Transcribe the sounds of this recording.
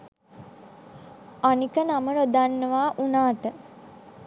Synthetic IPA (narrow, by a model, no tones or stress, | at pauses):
anikənaməɾod̪anːəʋaːʔunaːʈə